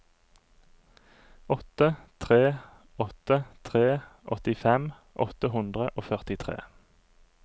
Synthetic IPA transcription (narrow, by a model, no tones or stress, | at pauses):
ɔt̪ət̪ʰʁeː | ɔt̪ət̪ʰʁeːʔɔ̰t̪ɪfɛm | ʔɔ̰t̪əhʉnd̪ʁəʔoːfœʁt̪ɪt̪ʰʁḛː